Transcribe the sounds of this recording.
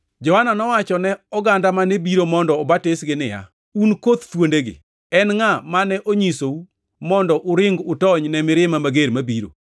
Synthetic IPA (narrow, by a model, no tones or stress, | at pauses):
d͡ʒɔhananɔwat͡ʃɔnɛɔɡandamanebiɾomɔndɔːbatɪsɡɪnɪja̰ | unkot̪t̪wondeɡɪ̰ | ɛnŋamanɛʔoɲisou | mɔndɔʔʊɾɪŋɡʊtɔɲnɛmɪɾɪmamaɡeɾmabiɾo̰